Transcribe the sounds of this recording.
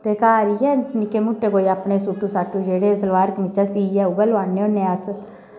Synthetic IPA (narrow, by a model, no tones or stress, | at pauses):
t̪eːkaːɾiɛːnɪkeːmʊʈːeːkoːiaːpɳeːsuʈːuːsaːʈːuːd͡ʒeːɽeːsəlʋaːɾkmɪt͡ʃasiɛːʊɡəlʋaːneːõːneaːs